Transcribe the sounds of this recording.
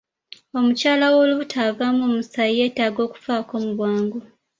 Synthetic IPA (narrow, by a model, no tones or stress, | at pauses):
o̞mucaːlawo̞ːluβutʰavamoːmusajie̞ːtaːɡo̞ːku̥faːko̞ːmuβwaːŋɡo